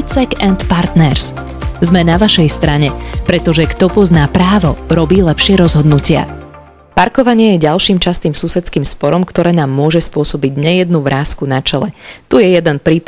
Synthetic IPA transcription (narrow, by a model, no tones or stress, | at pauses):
t͡sɛkɛnt̪paɾt̪nɛɾs | zmɛnaʋaʃɛjst̪ɾaɲɛpɾɛt̪ɔʒɛkt̪ɔpɔznaːpɾaːʋɔɾɔbiːlɛpʃɪɛɾɔzɦɔd̪nucɪa̰ | paɾkɔʋaɲɪɛjɛɟalʃiːmt͡ʃast̪iːmsusɛt͡skiːmspɔɾɔmkt̪ɔɾɛːnaːmːʊɔʒɛspʊɔsɔbiɟɲɛjɛd̪nuʋɾaːskunat͡ʃɛlɛt̪ujɛjɛd̪ɛnpɾiːp